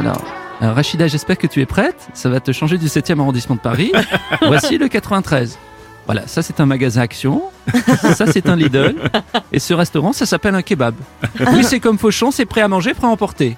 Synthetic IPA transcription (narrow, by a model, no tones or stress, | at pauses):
a̰lɔ̰ʁ̰ʁaʃid̪aʒɛspɛʁkət̪yɛpχɛt̪savat̪əʃɑ̃ʒed̪ysɛt̪jɛmaʁɔ̃d̪ismɑ̃d̪əpaʁivwasiləkat̪χəvɛ̃t̪χɛz | vwa̰la̰sasɛt̪ɛ̃maɡazɛ̃aksjɔ̃ | sasɛt̪ɛ̃lid̪œlḛsəʁɛst̪ɔʁɑ̃sasapɛlɛ̃kʲebabwisɛkɔmfoʃɑ̃sɛpχɛamɑ̃ʒepχɛaɑ̃pɔʁt̪e